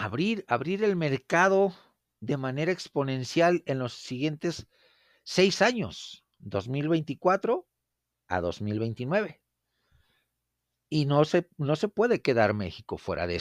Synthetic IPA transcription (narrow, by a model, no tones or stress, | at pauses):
aβɾiɾaβɾiɾe̞lme̞ɾkað̞o̞ | ðe̞mane̞ɾaekspo̞nẽ̞nsjale̞nlo̞sːiɣje̞nt̪e̞sː | e̞jsaɲo̞̰s | d̪o̞zmilβe̞jnt̪ikwat̪ɾo̞ | a̰ðo̞̰zmilβe̞jnt̪inwe̞β̞e̞ | inoseno̞se̞pwe̞ðe̞ke̞ðaɾme̞̰xiko̞̰fwe̞ɾʔa̰ðe